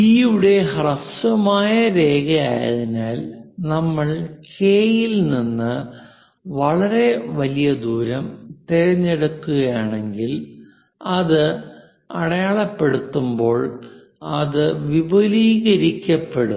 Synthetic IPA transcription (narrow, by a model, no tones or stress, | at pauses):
iːuɽe̞ɦɐrɐsɐmaːjɐɾe̞ːɣɐja̰ːjɐ̰ðinaːlnɐmːɐɭkʰeːjilninːɨ | ʋɐɭɐɾe̞ʋɐlijɐd̪uːɾɐmt̪eɾɐɲːeɽɐkːuɣɐjaːɳe̞ŋɡil | ɐðɨ | ɐɽɐjaːɭɐpːe̞ɽut̪ːumbo̞ːɭ | ɐðɨʋibɐliːɣɐɾikʲːɐpːeɽum